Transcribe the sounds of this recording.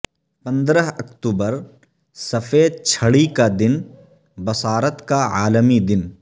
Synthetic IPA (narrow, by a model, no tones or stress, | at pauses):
pɐ̃nd̪ɾəɦɐkt̪uːbəɾ | sɐfʰeːd̪̚t͡ʃʰɐɽikad̪ɪn | bɐsaːɾət̪kaa̰ːlmid̪ɪn